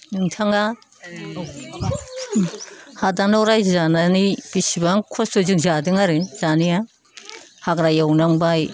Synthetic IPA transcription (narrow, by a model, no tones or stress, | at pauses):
nɯŋtʰaŋa | hadanɔwɾajzananib̥isibaŋkʰɔsdozik̚zadɯŋaɾɯz̥anija | haɡɾajawnaŋbaj